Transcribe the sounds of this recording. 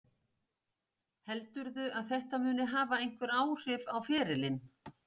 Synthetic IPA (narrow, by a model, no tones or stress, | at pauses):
hɛlt̪ʏɾðʏʔaðθɛht̪amʏːnɪɦaːvaejŋ̥kvɛɾaːwr̥ɪpawfɛːɾɪlɪn